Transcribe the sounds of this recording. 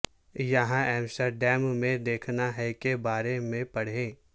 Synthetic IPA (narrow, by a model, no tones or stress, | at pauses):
jɐɦãɛːmsəɾɖɛːmmẽd̪eːkʰnaɦɛkebaːɾemẽpɐɽ̤ẽː